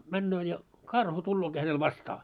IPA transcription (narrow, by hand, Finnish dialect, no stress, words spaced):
mænːøː jɑ kɑrhu tulːoːki hænel ʋɑstɑː